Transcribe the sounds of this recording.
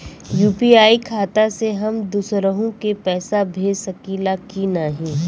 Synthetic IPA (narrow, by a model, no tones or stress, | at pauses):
juːpiaːikʰaːt̪aseɦɐmd̪uːsɾəɦõkepɛːsabʱeːsɐkilaːkinaːɦĩː